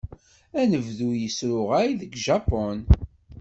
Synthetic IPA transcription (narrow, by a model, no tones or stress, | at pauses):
ænəvðujəsɾʊʁaiðəɡʒɑpɔn